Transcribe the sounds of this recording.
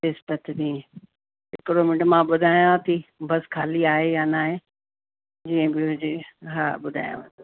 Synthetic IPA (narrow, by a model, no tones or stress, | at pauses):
ɪspət̪d̪ĩ | ɪkɪɾomɪɳʈmãɓʊd̪ʱaːjãt̪ʰibɐskʰaːliaːɦejanaːɦẽ | d͡ʑiːə̃bɪɦʊd͡ʑɪɦaːɓʊd̪ʱa̰ːjã̰ʋɐ̃n